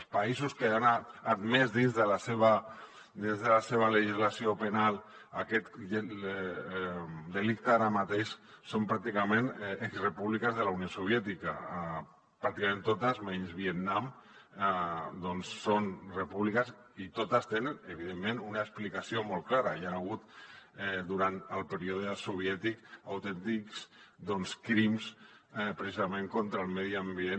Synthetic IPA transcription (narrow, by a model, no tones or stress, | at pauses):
spaizuskeanaːd̪mɛzðinzðəlaseβa | d̪inzðəlaseβ̞aleʒizlasiopenalˠ | akɛt̪e | d̪elik̚t̪aaɾamat̪eʃ | sompɾak̚t̪ikamẽnekzrepuβlikazðəlauniosoβ̞jɛt̪ika̰ | pɾakt̪ikamẽnt̪ot̪azmeɲzβiet̪nam | d̪ɔnsːonrepuβlikəz | it̪ot̪əst̪enənəβiðemːenunaəksplikasiomolˠklaɾəianaɣ̞ut̪ | d̪uɾant̪əlˠpəɾioðəsuβ̞jɛt̪ikawt̪ɛnt̪iksd̪ɔnskɾimspɾesizameŋkont̪ɾəlˠmɛðiambjen